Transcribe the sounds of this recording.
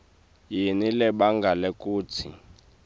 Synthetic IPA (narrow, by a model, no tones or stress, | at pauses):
jinilɛɓaŋɡʱalɛkʼuːtʰḭ